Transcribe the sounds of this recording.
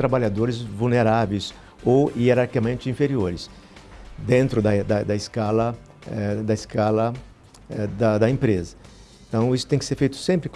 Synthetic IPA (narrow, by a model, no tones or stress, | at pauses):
t̪ɾabaʎad̪oɾɪzvulneɾavejs | owieɾaɾkikamẽnt͡ʃɪĩfeɾioɾɪs | d̪ẽnt̪ɾʊd̪ɐd̪ɐd̪ɐɪskalɐ | ɛd̪ɐɪskalɐ | ɛd̪ɐd̪ɐẽpɾezɐ | ẽt̪ɐ̃w̃isʊt̪ẽkɪseɾfejt̪ʊ̥sẽmpɾɪk